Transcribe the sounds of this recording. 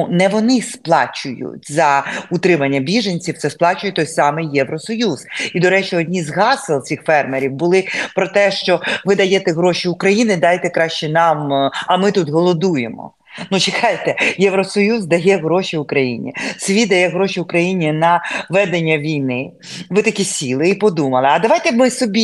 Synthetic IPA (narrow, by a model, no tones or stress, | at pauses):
nɛʋɔnɪsplˠɑ̰t͡ʃʊjʊ̰tʲzɐʊt̪ɾɪmɐnʲːɐbʲiʒɐnʲt͡sʲiwt̪sɛsplˠɑt͡ʃʊjɛt̪ɔjsɑmɪjjɛʋɾɔsɔjuzid̪ɔɾɛt͡ʃɪɔdʲnʲizɦɑselˠsʲixfɛrmeɾʲiwbʊlˠɪpɾɔt̪ɛʃt͡ʃɔʋɪd̪ɐjɛt̪ɛɦɾoʃiʊkɾɐjinɪd̪ɑjt̪ɛkɾɑʃt͡ʃɛnɑmɐmɪt̪ut̪ɦɔlˠɔd̪ujemɔ̰ | nut͡ʃɪkɑjet̪ɛjɛʋɾɔsɔjuzd̪ɐjɛɦɾɔʃʲiʊkɾɐjḭnʲḭsʋʲid̪ɐjɛɦɾɔʃʲiʊkɾɐjinʲinɐʋɛd̪enʲːɐʋʲijnɪ | ʋɪt̪ɐkʲisʲilˠɪipɔd̪umɐlˠɪɐd̪ɐʋɑjt̪ɛmɪsɔbʲi